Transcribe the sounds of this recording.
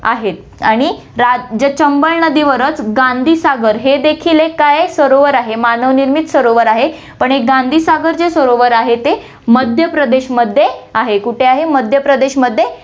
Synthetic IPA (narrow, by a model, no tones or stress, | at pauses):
a̰ɦet̪̚ | aɽ̃i | ɾad͡ʑət͡ɕəmbəɭnəd̪iːʋəɾət͡sɡãnd̪ʱiːsaɡəɾɦed̪ekʰilekajsʋəɾoʋəɾaɦemanəʋniɾmit̪səɾoʋəɾaɦe | pəɳɦek̚ɡãnd̪ʱiːsaɡəɾd͡zesʋəɾoʋəɾaɦet̪e | məd̪ʱjəpɾəd̪eɕməd̪ʱːjeaɦekuʈʰeaɦeməd̪ʱjəpɾəd̪eɕməd̪ʱːje